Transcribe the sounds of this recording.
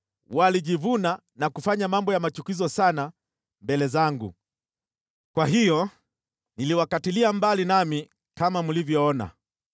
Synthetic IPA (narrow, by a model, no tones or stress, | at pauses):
waliʄivuna | nakufaɲamambɔjamat͡ʃukizɔsana | mbɛlɛzaŋɡṵ | kwaɦijɔ | niliwakatiliambalinami | kamamulivjɔɔna̰